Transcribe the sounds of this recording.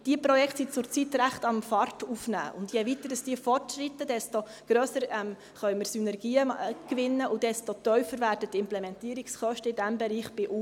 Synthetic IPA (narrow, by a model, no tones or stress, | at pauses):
d̥iəpɾɔjɛkʰtsit͡sʊɾt͡sitɾæχtɑnmfɑrtufnæ̰ːʔʊ̰ndjɛʋitədəsd̥iəfɔrtʃɾitːədɛsto | ɡ̥ɾøːsəɾɛm | χœʏmɪɾsynɛɾɡ̥iːəkʋɪnːəʔʊd̥ɛstotœʏfəɾvæːɾdətːɪmplɛmɛntiəɾiksχœʃtəɪdæmbɛɾiːχb̥ɪʔu